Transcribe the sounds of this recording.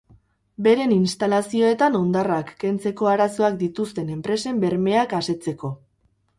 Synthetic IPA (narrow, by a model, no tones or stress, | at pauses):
be̞ɾe̞ninst̪alasio̞e̞t̪ano̞nd̪arakːe̞nt͡se̞ko̞aɾaso̞akd̪it̪ust̪e̞ne̞mpɾe̞se̞mbe̞ɾme̞akase̞t͡se̞ko̞